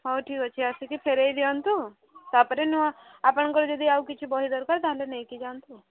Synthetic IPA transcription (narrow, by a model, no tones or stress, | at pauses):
ɦoʈʰikɔt͡ʃʰiasikipʰeɾejd̪eant̪u | t̪apəɾenũaapɔɽ̃ŋkɔɾd͡ʒɔd̪iaukit͡ʃʰubɔɦid̪ɔɾkaɾt̪aɦãlenejkid͡ʒant̪u